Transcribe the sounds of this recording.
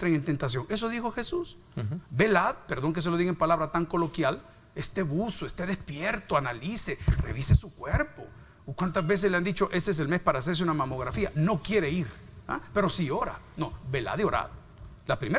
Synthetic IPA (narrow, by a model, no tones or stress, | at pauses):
nt̪ɾeŋent̪e̞nt̪as̬joŋe̞s̬o̞ðixo̞xe̞sus | be̞laðpe̞ɾðo̞ŋk̬e̞s̬eloiɣempalaβɾat̪aŋko̞lo̞kjal | est̪e̞βusoest̪eðespjeɾt̪oanalisere̞̰βisesukweɾpo̞̰ | kwant̪azβe̞s̬esleand̪it͡ʃo̞ʔe̞sees̬e̞lme̞spaɾaːseɾs̬eunamamo̞ɣɾafiano̞kje̞ɾe̞iɾ | a̰pe̞ɾo̞sio̞ɾa̰nobe̞la̰ðio̞ɾa̰ð | lapɾime